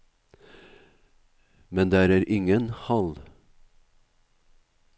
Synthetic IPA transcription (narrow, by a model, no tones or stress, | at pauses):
mɛnd̪eːæːɾæːɾʔɪŋənhɑl